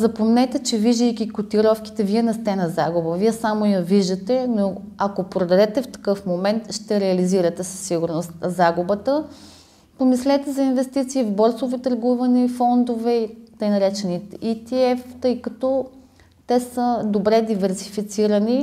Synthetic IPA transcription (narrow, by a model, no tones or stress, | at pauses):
zɐpomnɛt̪ɛt͡ʃɛviʒd̪əjkʲikot̪iɾɔfk̟i̥t̪ɛviɛnɛst̪ɛnɐzaɡubəviɛsamojɐviʒd̪ɐt̪ɛnoɐkopɾod̪ɐd̪ɛt̪ɛft̪ɐ̥kɤfmomɛnt̪ʃt̪ɛɾɛɐliziɾɐt̪ɛsɐ̥sːiɡʊɾnost̪nzaɡubət̪ə | pomislɛt̪ɛzɐinvɛst̪it̪siːvbɔɾsovit̪əɾɡuvɐnɛfɔnd̪ovɛit̪ɤjnɐɾɛt͡ʃɛniit̪iɛft̪ɤjkɐt̪ɔ | t̪ɛsəd̪obɾɛd̪ivɛɾsifit̪siɾəni